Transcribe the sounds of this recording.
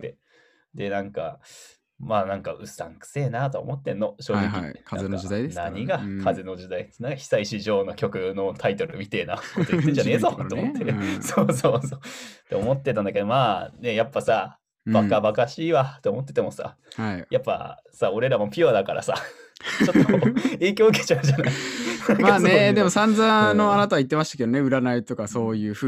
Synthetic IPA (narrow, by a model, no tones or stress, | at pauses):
t̪ːe̞ | d̪e̞nãŋka̰ | maːnãŋkaɯ̟sãŋkɯ̟̥se̞ːnat̪oomo̞t̪ːẽ̞nːo̞ɕo̞ːɡikʲḭeã̰naɲ̟iɡakʰaze̞no̞ʑid̪ainaŋkaçi̥saiɕiʑo̞ːno̞kʲo̞kɯ̟no̞t̪ʰait̪o̞ɾɯmʲit̪eːna̰kot̪oit̪ːẽɲd͡ʑane̞ːzo̞t̪eomot̪ːesoːso̞ːsoːt̪eomo̞t̪ːe̞t̪ãnd̪aked̪o̞maːne̞japːasa | bakabakaɕiːβat̪ːeomo̞t̪ːe̞t̪e̞mo̞sa̰ | haijapːa̰ | sao̞ɾe̞ɾamo̞pʲiad̪akaɾa̰sa̰t͡ɕo̞t̪ːoe̞ːkʲo̞ːɯke̥t͡ɕaʑanaismaːned̪e̞mosãnd͡zano̞anat̪aβait̪ːemaɕi̥t̪ḁke̞d̪oneɯ̟ɾanait̪o̞kaso̞ːjɯ̟ːɸɯ